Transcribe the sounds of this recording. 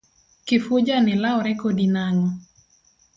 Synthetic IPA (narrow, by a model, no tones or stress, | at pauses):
kɪfod͡ʒanɪlaɔɾɛkodinaŋɔ